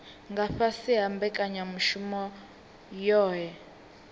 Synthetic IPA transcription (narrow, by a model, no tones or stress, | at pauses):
ŋɡʱaɸasiɦambɛkʼaɲamuʃumɔ | jɔːɦɛ